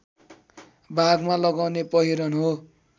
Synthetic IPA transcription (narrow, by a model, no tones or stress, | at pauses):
bʱaɡmalʌɡawnepʌɦiɾʌnɦo